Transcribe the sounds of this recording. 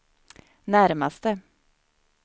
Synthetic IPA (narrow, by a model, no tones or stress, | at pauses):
næɾmast̪ə